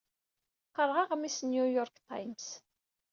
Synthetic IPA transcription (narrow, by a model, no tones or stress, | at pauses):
qːəɾˤʁɑʁmisnjujɔɾkt̪a̰jms